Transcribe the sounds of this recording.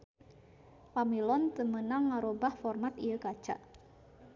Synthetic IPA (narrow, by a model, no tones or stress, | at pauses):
pamilɔnt̪əmənaŋːaɾobahfɔrmat̪ijəkḁt͡ʃa̰ʔ